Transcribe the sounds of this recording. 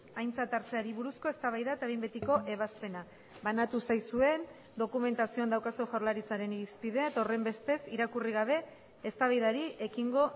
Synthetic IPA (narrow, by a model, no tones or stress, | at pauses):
ajnt͡sat̪aɾt͡se̞aɾiβ̞uɾusko̞e̞st̪aβajðat̪aejmbe̞t̪iko̞ʔe̞β̞aspe̞na | βanat̪usajsue̞n | d̪o̞kume̞nt̪asiond̪awkaseʝawɾlaɾit͡saɾe̞niɾispiðe̞t̪o̞re̞mbe̞st̪e̞siɾakuriɣ̞aβ̞e̞ː | st̪aβajðaɾiʔe̞kiŋɡo̞